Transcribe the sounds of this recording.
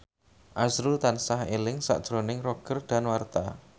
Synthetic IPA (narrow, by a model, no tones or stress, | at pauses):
ʔasɾult̪ansaɦelɪŋsa̰ʔd̥ʒ̥ɾonɪŋroɡ̥ərd̪̥a̤nwart̪a̰